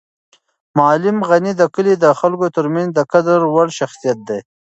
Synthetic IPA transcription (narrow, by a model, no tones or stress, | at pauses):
mɑːlɪmɣanid̪əkəlid̪əxalkot̪əɾmanzd̪əkad̪aɾwaɽʃaxsijat̪̚d̪e